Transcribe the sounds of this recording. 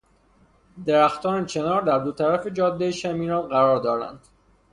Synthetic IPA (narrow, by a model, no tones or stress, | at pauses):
d̪eɾæxt̪ɒːnecʰe̞nɒːɾd̪æɾd̪ot̪ʰæɾæfe̞d͡ʒɒːd̪ːejeʃæmiːɾɒːnɢæɾɒːɾd̪ɒːɾæ̰nd̪̥